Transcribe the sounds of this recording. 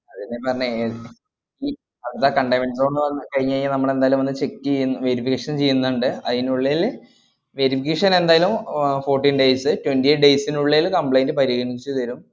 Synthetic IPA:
ɐðinːepːɐrɐɲːɐ | iː | ɐʋɐt̪ːakɐɳɖɐjmensonːɨʋɐnːɨkɐɻiɲːɐiŋːɡilnɐmːɐɭe̞nd̪aːjɐlumʋɐnːɨt͡ɕe̞kːɨejnːɨʋe̞ɾifikːɐːʂɐnt͡ɕe̞jːunːɐɳɖɨɐðinuɭːelːe | ʋe̞ɾifikːeʂɐne̞nd̪aːjɐlumfo̞ːrʈːiːnɖe̞jsɨtwenɖieʈɖe̞jsinuɭːelukɐmpɭejndɨpɐɾiɣɐɳit͡ɕːut̪ɐɾum

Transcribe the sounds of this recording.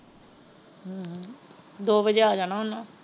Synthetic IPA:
d̪oːbəd͡ʒeːaːd͡ʒaːnaːɦonaː

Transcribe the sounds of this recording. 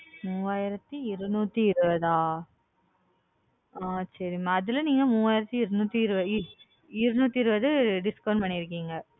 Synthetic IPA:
muːʋaːjɪɾɐt̪ːɯɪɾɯnuːt̪ːɯɪɾɯʋɐðaː | aːsɐɾɪmaːðɯlɐniːŋɡɐmuːʋaːjɪɾɐt̪ːɯɪɾɐnuːt̪ːɯɪɾɯʋɐ | ɪɾɯnuːt̪ːiɪɾɯʋɐðɯɖɪskɐʊɳpɐɳːɪɪɾɯk̬ːiːŋɡɐ

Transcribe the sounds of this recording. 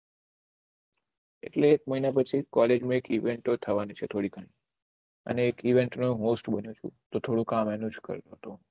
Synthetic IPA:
ḛʈleːk̚məɦinapət͡ʃʰikɔled͡ʒmãekiʋeɳʈot̪ʰəʋanit͡ʃʰet̪ʰoɽikʰaɳi | ə̰neːkiʋeɳʈnoɦosʈbənjũt͡ʃʰṵ̃t̪ot̪ʰoɽũkamɛnũd͡ʒkə̰ɾt̪ot̪o

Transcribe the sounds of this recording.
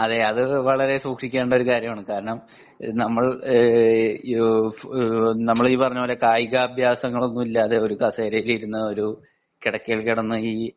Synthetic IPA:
ɐðeɐðɨʋɐɭɐɾe̞suːkʂikʲːeːɳɖɐoɾukaːɾjɐmaːɳɨkaːɾɐɳɐm | nɐmːɐɭ | nɐmːɐɭiːpɐrɐɲːuoːlɐkaːjɣaːbʱjaːsɐŋːɐɭo̞nːumilːaːðe̞oɾukɐseːɾɐjiliɾunːɐo̞ɾu | kiɽɐkːiɭkiɽɐnːɐiː

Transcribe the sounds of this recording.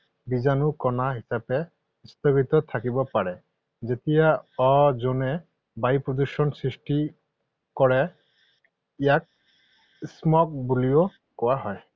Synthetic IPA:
bizanukɔnaɦisapɛ | ist̪ɔɡit̪ɔt̪ʰakibɔpaɹɛ | zet̪ijaɔzonɛ | bajpɹɔd̪usɔnsɹisʈi | kɔɹɛ | ijak̚ | smɔk̚bulijɔ | kɔwaɦɔj

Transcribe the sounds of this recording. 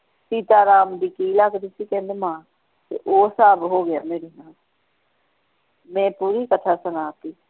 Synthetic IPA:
siːt̪aːɾaːmd̪iːkiːlaːkd̪ɪsiːkɛ̃ːnd̪eːmãː | t̪ḛʔoːsaːbɦoːɡɪjaːmeːɾeːnaːl | mɛ̃ːpuːɾiːkət̪ʰaːsənaːt̪iː

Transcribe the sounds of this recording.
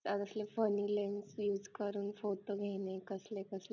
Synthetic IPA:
əd̪əslefənilensjuːd͡zkəɾuːnfotoɡʱenekəslekəsle

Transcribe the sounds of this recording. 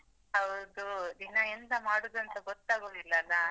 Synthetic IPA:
ɐʋɐd̪ud̪inɐend̪ɐmaːɽud̪uɐnt̪ɐɡɔt̪ːaːɡoːd̪ilːɐːlːɐ

